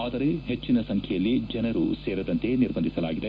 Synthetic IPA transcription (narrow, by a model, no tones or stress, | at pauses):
aːd̪ɐɾeɦet͡ʃːinɐsɐŋkʰjɐjɐlːid͡ʒɐnɐɾṵseːɾɐd̪ɐnt̪eniɾbʱɐnd̪isɐlaːɡid̪e